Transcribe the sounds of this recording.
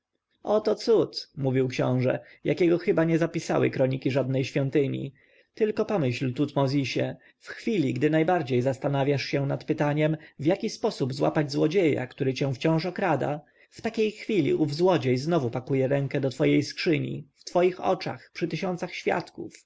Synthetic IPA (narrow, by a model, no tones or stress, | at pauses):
ɔt̪ɔt̪sut̪muvʲiwkɕɔ̰̃w̃ʐɛ̰ | jʔakʲɛɡɔxɘbaɲɛzapʲisa̰wɘ̰kɾɔɲikʲiʐad̪̚nɛjɕfʲɔnt̪ɘɲḭ | t̪ɘlkɔpɔmɘɕlt̪ut̪mɔzʲiɕɛ | fxfʲilʲiɡd̪ɘnajbaɾd͡ʑejzast̪anavʲjaʂɕɛnat̪pɘt̪aɲɛmvʲjakʲispɔsubzwa̰pad͡ʑzwɔd͡ʑeja̰kt̪uɾɘt͡ɕɛ̃w̃ft͡ɕɔ̃w̃ʂɔkɾad̪a̰ | ft̪akʲejxfʲilʲḭʔuvzwɔd͡ʑejznɔvupakujɛɾɛŋkɛd̪ɔt̪fɔjejskʂɘɲḭft̪fɔjixɔ̰t͡ʂa̰xpʂɘt̪ɘɕɔnt̪saxɕfʲja̰t̪kṵf